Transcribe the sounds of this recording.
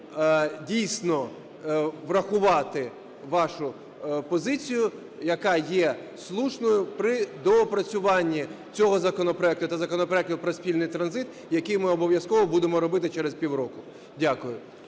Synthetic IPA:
dʲijsʲnɔ | ʋrɐxʊʋɑt̪ɪ | ʋɑʃʊ | pɔzɪt͡sʲijʊ | jɐkɑjɛ | slˠuʃnɔjʊpɾɪd̪ɔːpɾɐt͡sʲʊʋɑnʲːi | t͡sʲɔɦɔzɐkɔnɔpɾɔɛk̚t̪ʊt̪ɐzɐkɔnɔpɾɔɛk̚t̪ʊpɾɔsʲpʲilʲnɪjt̪ɾɐnzɪt̪ | jɐkɪjmɪɔbɔʋjɐskɔʋɔbud̪emɔɾɔbɪt̪ɪt͡ʃɛɾespʲiwɾɔkʊ | dʲakʊjʊ

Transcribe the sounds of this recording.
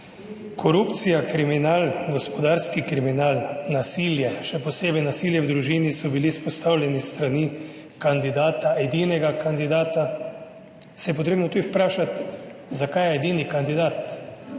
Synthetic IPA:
kʰɔɾupt̪sijakɾiminaːlɡɔspɔd̪aːɾskikɾiminaːlnasiːljɛʃɛpɔseːbɛjnasiljɛwd̪ɾuʒiːnisɔbilispɔst̪awlʲjɛnist̪ɾani | kand̪id̪aːt̪aɛd̪iːnɛɡakʰand̪id̪aːt̪a | sɛjɛp̬ɔt̪ɾeːbnɔt̪ud̪iwpɾaːʃat̪zakajɛɛd̪iːnikand̪id̪aːt̪

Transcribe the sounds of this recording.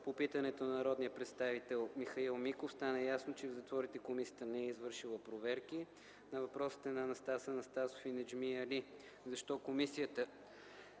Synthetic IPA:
popit̪ɐnɛt̪onɐnɐɾɔd̪nijəpɾɛt̪st̪avit̪ɛlˠmixɐilˠmikofst̪anəjasnot͡ʃɛvzɐt̪vɔɾit̪ɛkomisijət̪ənɛɛizvɤɾʃilˠəpɾovɛɾki | nɐvɐpɾɔsi̥t̪ɛnɐnɐst̪asənɐst̪asofinɛd͡ʒmiɐli | zɐʃt̪ɔkomisijət̪ə

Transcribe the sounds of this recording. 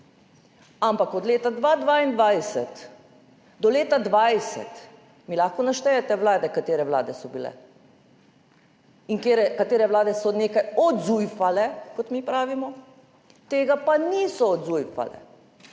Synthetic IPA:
ampakɔd̪leːt̪ad̪ʋaːd̪ʋaːind̪ʋajsɛt̪ | d̪ɔleːt̪ad̪ʋajsɛ̰t̪ | milaxkɔnaʃt̪ɛjɛt̪ɛʋlaːd̪ɛkat̪eːɾɛʋla̰ːd̪ɛsɔbilɛ̰ | iŋkeːɾɛkat̪eːɾɛʋlaːd̪ɛsɔneːkajɔd̪zujfalɛkɔt̪mipɾaːʋimɔ | t̪eːɡapaniːsɔɔd̪zujfa̰lɛ̰

